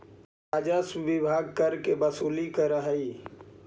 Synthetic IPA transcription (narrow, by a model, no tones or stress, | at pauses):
ɾaːd͡ʒasʋɪbʱaːɡ̚kəɾkebɐsuːlikəɾəɦɐiː